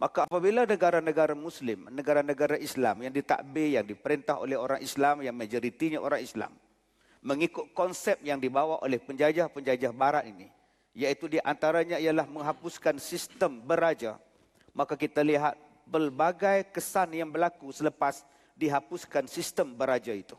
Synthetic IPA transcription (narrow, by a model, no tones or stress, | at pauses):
makaːpabilanəɡaɾanəɡaɾamuslɪmnəɡaɾanəɡaɾaʔisla̰mjaŋdit̪a̰ʔbɪjaŋdipəɾint̪aɦo̰lɛhɦoɾaŋʔislamjaŋmad͡ʒoɾit̪iɲaʔoɾaŋisla̰mː | əŋikʊt̪̚kɔnsɛp̚jaŋdibawaʔo̰lɛhpəɲd͡ʒad͡ʒahpəɲd͡ʒad͡ʒahbaɾaʔ̪ini | jait̪udiʔant̪aɾaɲaijalahməŋɦapuskansist̪əmbəɾad͡ʒa̰ | makakit̪aliɦat̪̚ | pərbaɡajkəsanjaŋbəlakusələpas | diɦapʊskansist̪əmbəɾad͡ʒait̪u